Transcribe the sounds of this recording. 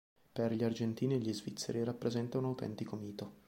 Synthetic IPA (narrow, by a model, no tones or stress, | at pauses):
perʎiard͡ʒent̪iːnieʎːizvit̪sːḛɾirapːɾezɛnt̪aunawt̪ɛ̰nt̪ikomiːt̪o